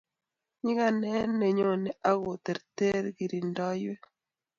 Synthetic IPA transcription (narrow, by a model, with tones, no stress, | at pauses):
ɲi˦ɣa˦˨nɛ˦nːe˨ɲo˦ne˨a˦ɣo˨t̪e˨ɾte˦ɾɡi˨ɾi˨ndɔ˦jwe˦